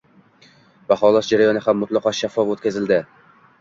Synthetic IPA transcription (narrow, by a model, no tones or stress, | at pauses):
b̥aχɒlˠɒsd͡ʒaɾajɒnɪhamːʊt̪lˠɑqɒʃafːɒfot̪kʲazɪld̪ɪ